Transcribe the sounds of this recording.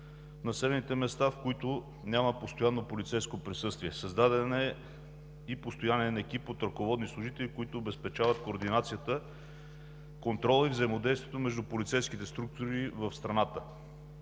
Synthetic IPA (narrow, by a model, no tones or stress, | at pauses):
nɐsɛlɛnit̪ɛmɛst̪afkoit̪ʊ | nʲjaməpost̪ojanːopolit̪sɛjskopɾisɤst̪viɛsəzd̪ad̪ɛnɛ | ipost̪ojanɛnɐɛkipot̪ɾɐkovɔd̪nislˠʊʒit̪ɛlikoit̪ʊːbɛspɛt͡ʃavət̪koːɾd̪inat̪sijət̪ə | kont̪ɾɔlˠivzəimod̪ɛjst̪vijɛt̪omɛʒd̪upolit̪sɛjskit̪ɛst̪ɾuk̚t̪ʊɾivəfst̪ɾɐnat̪ə